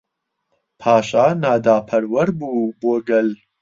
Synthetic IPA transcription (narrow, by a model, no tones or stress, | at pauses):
pʰaːʃaːnaːd̪aːpʰɐɾwɐɾbuːboːɡɐl